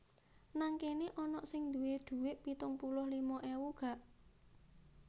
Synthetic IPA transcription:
naŋkeneʔɔnɔʔsɪŋd̪ṳwed̪̥ṳwɪʔpit̪ʊŋpulʊhlimɔʔewuɡ̥a̤ʔ

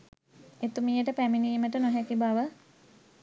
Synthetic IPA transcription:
et̪umijəʈəpæminiːməʈənoɦɛkibaʋə

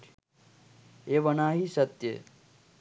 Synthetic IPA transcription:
eːʋɐnaːɦisɐt̪jḛ

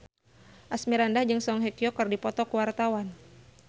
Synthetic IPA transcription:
ʔasmiɾandahd͡ʒɨŋsɔŋɦɛkiɔkərdipɔt̪ɔkuwart̪awan

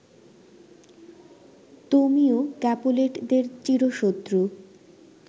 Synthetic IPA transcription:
t̪omiokɛpoleʈd̪eɾt͡ɕiɾoʃot̪ːɾu

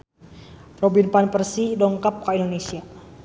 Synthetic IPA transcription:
robinpanpərsidɔŋkap̚kaindonesia

